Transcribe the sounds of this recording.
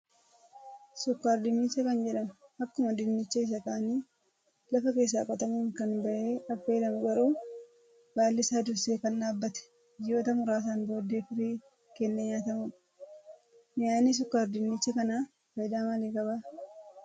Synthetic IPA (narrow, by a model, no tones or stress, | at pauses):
sʊkːaːɾd̪ɪnːɪt͡ʃːɐkɐnd͡ʒɛᶑɐmɐkːʊmɐd̪ɪnːɪt͡ʃːɐɪs̬ɐkaːniː | lɐfɐke̞ːs̬ːaːkʼɐt̪ɐmuːŋkɐnbɐʔeːʔɐfːeːd̪ɐmɡɐɾuː | b̥aːlːɪsaːd̪ʊɾseːkɐnɗaːbːɐt̪ɛ̥ | d͡ʒɪjoːt̪ɐmʊɾaːs̬aːnbo̞ːd̪ːeːfɪɾiː | kɛnːɐɲaːt̪ɐmʊn | naːnis̬ʊkːaːɾd̪ɪnːɪt͡ʃːɐkɐnaː | fɐjd̪aːmɐleːkʼɐbaː